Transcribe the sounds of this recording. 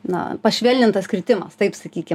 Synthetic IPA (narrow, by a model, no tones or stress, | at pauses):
nɐ̰pɐʃʲʋʲɛlʲnʲɪnt̪ɐskɾʲɪt̪ʲɪmɐst̪ɐɪpsɐkʲiːkʲɪ